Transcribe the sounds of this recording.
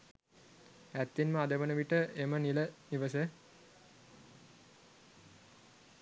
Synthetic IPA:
æt̪ːinməad̪əʋənəʋiʈəʔeməniləniʋəsə

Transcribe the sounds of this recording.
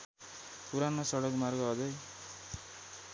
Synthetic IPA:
puɾanʌsʌɽʌkmarɡʌɦʌd͡zʌj

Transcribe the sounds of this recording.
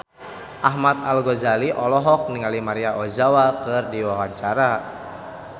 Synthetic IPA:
ʔaɦmat̪̚alɡɔzaliʔɔlɔɦɔk̚niŋalimaɾiaʔɔzawakɨrdiwawaɲt͡ʃaɾa

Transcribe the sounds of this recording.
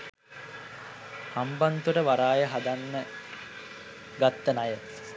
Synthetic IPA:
hambant̪uʈəʋaɾaːjəɦad̪anːə | ɡat̪ːənajə

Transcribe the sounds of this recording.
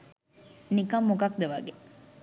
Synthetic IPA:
nikɐmːokɐk̚d̪eʋɐɡe

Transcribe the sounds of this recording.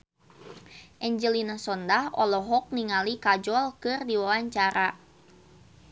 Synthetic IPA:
ʔɛɲd͡ʒɛlinasɔndahɔlɔɦɔk̚niŋalikad͡ʒɔlkɨrdiwawaɲt͡ʃaɾʔa

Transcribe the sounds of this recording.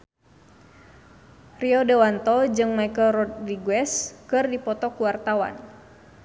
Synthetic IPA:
riɔdɛwant̪ɔd͡ʒɨŋmajkəlrɔt̪̚riɡwɛskɨrdipɔt̪ɔkuwart̪awa̰n

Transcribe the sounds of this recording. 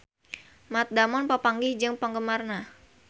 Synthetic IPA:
mat̪̚damɔnpapaŋɡɪhd͡ʒɨŋpəŋɡəmarna

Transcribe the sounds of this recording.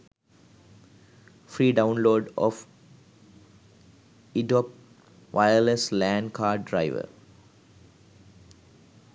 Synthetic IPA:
fɾiːɖãʊ̃nloːɖɔ̰f | iɖɔp | ʋʔaɪəleslæ̃ːɳɖkʰaːɖːɾaɪʋə̰ɾ

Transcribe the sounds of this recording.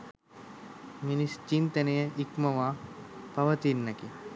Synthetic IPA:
minist͡ʃint̪ənejəʔikməʋaːpɐʋət̪inːɐki

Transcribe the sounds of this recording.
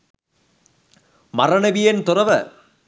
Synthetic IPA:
mɐrɐɳɐʋɪjɐnt̪ʊrɐʋɐ

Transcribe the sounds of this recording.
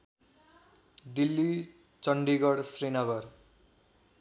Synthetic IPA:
d̪ilːi | t͡sʌɳɖiɡʌɽsrinʌɡʌr

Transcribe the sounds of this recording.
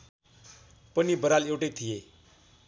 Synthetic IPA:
pənibəɾalewʈet̪ʰije

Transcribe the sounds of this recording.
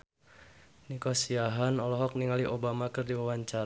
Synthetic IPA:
nikosiaɦanɔlɔɦɔk̚niŋaliʔobamakɨrdiwawaɲt͡ʃa

